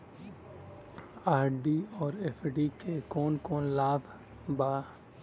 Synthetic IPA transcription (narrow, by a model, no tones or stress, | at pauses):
aːɾɖiɔːɾepʰɖikekɔːnkɔːnlaːbʱ | baː